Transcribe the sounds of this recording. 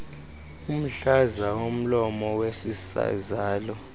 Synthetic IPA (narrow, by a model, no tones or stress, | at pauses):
um̩ɬazawom̩lɔmɔwesisa̰zaːlɔ